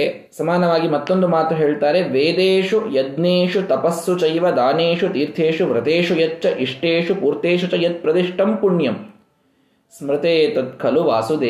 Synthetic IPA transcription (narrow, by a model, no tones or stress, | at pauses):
sɐmaːnɐʋaːɡimɐt̪ːond̪umaːt̪uɦeːɭt̪aːɾeʋeːd̪eːʂujɐd̪neːʂut̪ɐpɐsːut͡ʃɐjʋɐd̪aːneːʂut̪iːɾt̪ʰeːʂuʋɾɐt̪eːʂujɐt͡ʃːɐʔiʂʈeːʂupuːɾt̪eːʃut͡ʃɐjɐt̪̚pɾɐd̪iʂʈɐmpuɳjɐm | smɾɪt̪eːt̪ɐt̪̚kʰɐluʋaːsud̪eː